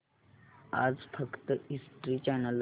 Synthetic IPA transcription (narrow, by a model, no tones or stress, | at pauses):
a̰d͡zfəkt̪əisʈɾiːt͡ɕɛnəl